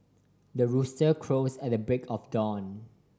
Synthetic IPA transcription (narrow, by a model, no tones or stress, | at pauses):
dəɹustəkʰɹosɛt̚dəbɹɪkʰɔfdɔ̃n